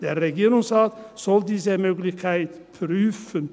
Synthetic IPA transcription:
d̪̥eːʁɛɡiːɾʊŋsʁɑːt̪sɔld̪iːsəmøːɡlɪçkʰaɪt̪pʰɾyːfən

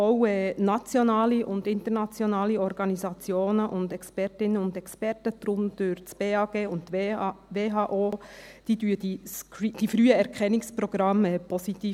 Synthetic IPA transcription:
ɔʊɛːnɑt͡sjonɑːliʔʊndɪnt̪əɾnɑt͡sjɔnɑːliɔɾɡ̥ɑnisɑt͡sjoːnəʔʊnd̪ɛkspɛɾtɪnəʊndɛkspɛrtəd̪̥ɾʊnd̥øɾt͡sb̥eːɑːɡ̥eːʊnttʋeːɦɑːʔoːd̥iːdyːəd̥iskd̥ifɾyːəɛɾkʰχɛnɪkspɾɔɡ̥ɾɑmɛːpʰɔsit̪iː

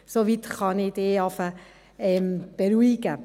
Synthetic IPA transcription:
soʋit̪χɑnɪd̪eːɑfə | ɛmb̥eɾuiɡə

